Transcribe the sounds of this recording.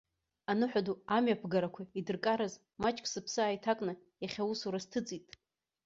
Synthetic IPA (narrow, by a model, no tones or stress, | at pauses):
anɨħʷᶣaduamɥapʰɡaɾakʷʰaidɨrkʼaɾaz | mat͡ʃʼkʼsɨpʰsɨaːjtʰakʼnɨ | jaχʲawusuɾastʰɨt͡sʼitʼ